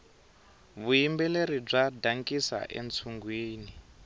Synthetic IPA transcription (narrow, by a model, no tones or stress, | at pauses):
βujimbɛleɾib͡ʐadaŋkʼisa̰ʔḛnt͡sʰuŋɡwiːni